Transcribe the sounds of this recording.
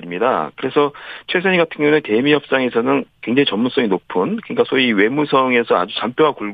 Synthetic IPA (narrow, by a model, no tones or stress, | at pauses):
ɾimɲida̰kɯɾe̞sʰʌt͡ɕʰwes̬ʰaɲiɡatʰɯŋjʌunete̞mijʌp̚s͈aŋe̞sʰʌnɯnkwe̞ŋd͡ʑaŋit͡ɕʌmːuns͈ʌŋinopʰunkɯɲik͈asʰoiwe̞musʰʌŋe̞sʰʌa̰d͡ʑut͡ɕamp͈joɦakuɭ